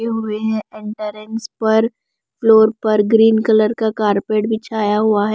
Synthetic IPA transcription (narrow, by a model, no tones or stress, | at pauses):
eɦʊeɦɛ̃ɪ̃ɳʈəɾɪ̃ŋɡspɐɾ | floːɾpɐɾɡɾiːnkələɾkakaːɾpeːʈbɪt͡ʃʰaːjaɦʊaɦɛ